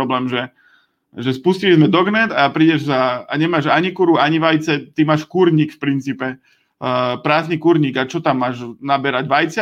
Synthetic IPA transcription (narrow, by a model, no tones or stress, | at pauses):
ɔblɛːmʒɛ | ʒɛspuscilizmɛd̪ɔɡnɛd̪apɾiːɟɛʒsaaɲɛmaːʒaɲikuɾuaɲiʋajt͡sɛt̪imaːʃkuɾɲiːkfpɾint͡siːpɛ | pɾaːznikuɾɲiːɡat͡ʃɔt̪amːaːʒnabɛɾaɟʋajt͡s